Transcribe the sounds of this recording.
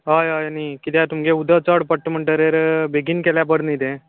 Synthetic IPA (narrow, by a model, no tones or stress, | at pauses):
ɦajajənikit̪jat̪umɡeud̪ʱət͡səɽpəʈːm̤əɳʈəɾeɾbeɡinkeljapəɽnit̪ẽ